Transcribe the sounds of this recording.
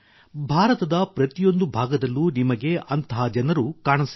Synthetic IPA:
bʱaːɾɐt̪ɐd̪ɐpɾɐt̪ijo̞nd̪ubʱaːɡɐd̪ɐlːunimɐɡe̞ʔɐnt̪ɐɦad͡ʒɐnɐɾukaːɳɐs

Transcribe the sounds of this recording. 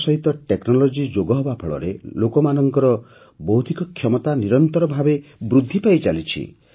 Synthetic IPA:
sɔɦit̪ɔʈeknɔlɔd͡ʒid͡ʒoɡɔɦɔbapʰɔɭɔ̰ɾḛlokɔmanɔŋkɔɾɔ | bɔɦut̪ikɔkʰjɔmɔt̪aniɾɔnt̪ɔɾɔbʱabebɾud̪ʱːipajt͡ʃalit͡ʃʰḭ

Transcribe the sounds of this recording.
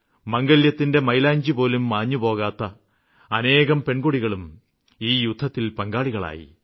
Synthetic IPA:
mɐŋɡɐljɐt̪ːinde̞mɐjlaːɲd͡ʑipo̞ːlumːaːɲːupo̞ːɣaːt̪ːɐ | ɐne̞ːɣɐmpe̞ɳɡuɽiɣɐɭum | iːjud̪ʱːɐt̪ːilpɐŋɡaːɭiɣɐɭa̰ːjḭ

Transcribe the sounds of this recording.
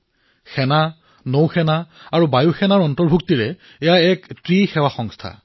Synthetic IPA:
xɛna | nowxɛnaaɹubajuxɛnaɹɔntɔɹbʱuk̚tiɹɛ | ɛjaɛktɹixɛwaxɔŋstʰa̰

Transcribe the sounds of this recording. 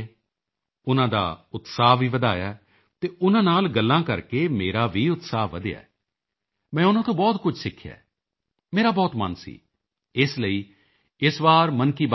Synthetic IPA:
ʊnãːd̪a̰ːʊt̪saːɦʋiːʋəd̪aːja | t̪eːʊnãːnaːlɡəlːãːkəɾkeːmeːɾaːʋiːʊt̪saːɦʋəd̪ɪja̰ːɛː | mɛ̃ːʊnãːt̪õːbɔːt̪kʊt͡ʃʰsɪkʰːja̰ː | meːɾaːbɔːt̪mə̰nsḭː | ɪsləiː | ɪsʋaːɾmənkiːb

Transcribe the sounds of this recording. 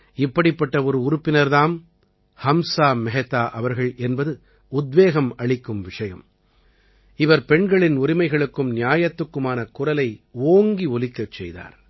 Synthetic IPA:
ɪpːɐɽɪpːɐʈːɐɔɾɯʊɾʊpːɪnɐɾðaːm | hɐmsaːmɛɦɛt̪ːaːʔɐʋɐɾɣɐɭʔɛnbɐðɯ | ʊd̪ʋeːɣɐmɐɭɪkːɯmʋɪʂɐjɐ̰m | ɪʋɐɾpɛɳɡɐɭɪnʊɾɪmɐɪɣɐɭɯkːɯmnɪjaːjɐt̪ːɯkːɯmaːnɐkʊrɐlɐɪoːŋɡiɔlɪkːɐt͡ʃːɛjða̰ːɾ

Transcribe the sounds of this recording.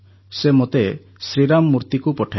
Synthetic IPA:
semot̪e | sɾiɾamːuɾt̪ikupɔʈʰa

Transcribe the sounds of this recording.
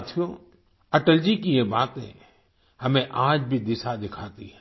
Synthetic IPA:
t̪ʰjo | ɐʈəld͡ʒikijebaːt̪ɦɛ̰̃ | hɐmẽʔaːd͡ʒbʱid̪ɪsad̪ɪkʰaːt̪ḭɦɛ

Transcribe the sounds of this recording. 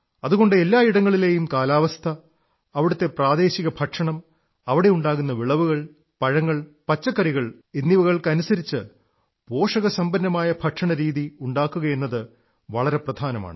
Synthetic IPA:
ɐðuɣo̞ɳɖɨe̞lːaːiɽɐŋːɐɭile̞ːjumkaːlaːʋɐst̪ʰɐː | ʋiɽut̪ːe̞praːd̪e̞ːɕiɣɐbʱɐʈʂɐɳɐm | ɐʋiɽe̞juɳɖaːɣunːɐʋiɭɐʋuɣɐɭ | pɐɻɐŋːɐɭpɐt͡ɕːɐkːɐɾiɣɐɭ | enːiʋuɣɐɭkɐnusɐɾit͡ɕːɨ | po̞ːʂɐɣɐsɐmbɐnːɐmaːjɐbʱɐʈʂɐɳɐɾiːðiuɳɖaːkːuɣɐje̞nːɐðɨ | ʋɐɭɐɾe̞prɐd̪ʱaːnɐma̰ːɳɨ

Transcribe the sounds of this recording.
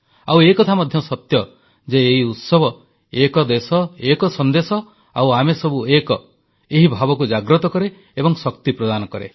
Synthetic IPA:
awekɔt̪ʰamɔd̪ʱjɔsɔt̪jɔ | d͡ʒeːɦiut̪sɔbʱɔ | ekɔd̪esɔekɔsɔnd̪esɔ | awamesɔbuekɔ | eɦibʱabɔkud͡ʒaɡɾɔt̪ɔkɔɾe | ebɔŋsɔkt̪ipɾɔd̪anɔkɔɾḛ

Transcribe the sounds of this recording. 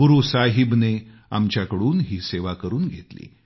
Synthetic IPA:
ɡuɾusaɦibne | a̰mt͡ɕjakəɽuːnɦiːseʋakəɾuːnɡʱet̪lḭː

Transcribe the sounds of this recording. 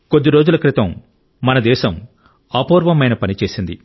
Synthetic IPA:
ko̞d̪ːiɾo̞ːd͡ʒulɐkɾit̪ɐmː | ɐnɐd̪ɛːʃɐm | aːpoːɾʋɐmɐjnɐpɐnit͡ʃe̞ːsind̪ḭ

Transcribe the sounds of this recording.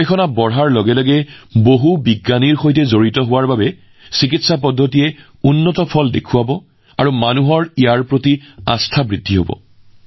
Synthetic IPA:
ekʰɔnabɔɹɦaɹlɔɡɛlɔɡɛboɦubiɡːaniɹxojtɛzoɹitɔɦʊwaɹbabɛ | sikitsapɔdʱːotijɛ | unːɔtɔpʰɔldekʰuabɔ | aɹumanuɦɔɹijaɹpɹotia̰stʰabɹidʱːiɦobɔ̰

